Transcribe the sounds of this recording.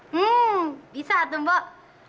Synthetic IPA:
bisat̪umbɔ

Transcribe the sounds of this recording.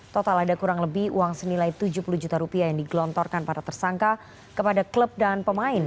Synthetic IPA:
t̪ɔt̪aladakuɾaŋləbihṵwaŋsənilajt̪ud͡ʒuhpuluhd͡ʒut̪aɾupiajaŋdiɡlɔnt̪ɔrkanpadat̪ərsaŋka | kəpadakləp̚danpəmaɪn

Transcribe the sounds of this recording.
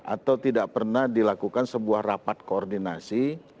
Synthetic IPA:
ʔa̰t̪awt̪idaʔpərnahdilakukansəbuahrapat̪̚koːrdinasi

